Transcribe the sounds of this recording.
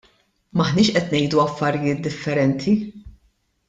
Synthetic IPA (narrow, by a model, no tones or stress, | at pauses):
mɐħnɪːʃʔɛt̪nɛjd̪uɐfːɐɾɪjɪːt̪̚d̪ɪfːɛɾɛnt̪ʰi